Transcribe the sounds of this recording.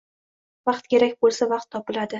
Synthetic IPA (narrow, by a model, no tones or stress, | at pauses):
vɑqt̪̚kʲe̞ɾakʲbolˠsavɑq̚t̪ʰːɒpɪlad̪ɪ